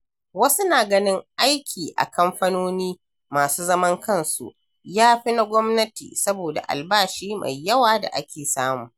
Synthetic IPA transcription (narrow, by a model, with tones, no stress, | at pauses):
wɐ˦su˦naː˨ɡɐ˦nɪ˦ŋʔa˦jkʲʰiː˨ʔa̰˨kʰɐ˦mɸa˦noː˦niː˦ | maː˨suː˦zɐ˦mɐ˦ŋkɐ˦˨nsṵ˨ʔ | jaː˦ɸi˦na˦ɡʷɔ˦mnɐ˦tḭː˨sɐ˦boː˨da̰˨ʔa̰˨lbaː˦ʃiː˦ma̰˨jːɐ˦waː˨da̰˨ʔa˦kʲeː˨saː˦mṵː˨